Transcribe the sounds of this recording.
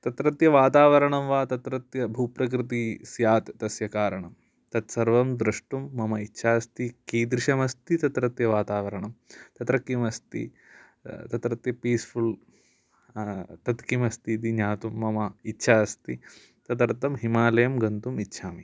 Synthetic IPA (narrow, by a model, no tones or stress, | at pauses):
t̪ɐt̪ɾɐt̪jɐʋaːt̪aːʋɐɾɐɳɐmʋaːt̪ɐt̪ɾɐt̪jɐbʱupɾɐk̬ɾɨt̪isjaːt̪ːɐsjɐkaːɾɐɳɐm | t̪ɐt̪sɐɾʋɐmd̪ɾɐʂʈumːɐmɐitːʃʰaːst̪ikiːd̪ɾɪʃɐmɐst̪it̪ɐt̪ɾɐt̪jɐʋaːt̪aːʋɐɾɐɳɐmt̪ɐt̪ɾɐkimɐst̪ḭ | t̪ɐt̪ɾɐt̪jɐpiːsfʰul | t̪ɐt̪kimɐst̪it̪̬iɲaːt̪umːɐmɐitːʃʰaːɐst̪i | t̪ɐt̪ɐɾt̪ɐmɦimaːlɐjɐmɡɐnt̪umitːʃʰaːmi